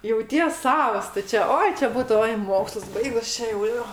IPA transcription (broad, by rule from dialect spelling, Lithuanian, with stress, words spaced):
jɛʊˈtʲiɛs ˈsɑːʋɐs tʊ ˈt͡ʃʲɛ ˈoːɪ t͡ʃʲɛ ˈbuːtʊ ˈoːɪ ˈmoːkslˠʊs ˈbɐɪɡʊs ˈt͡ʃʲɛ jɛʊ ˈjoː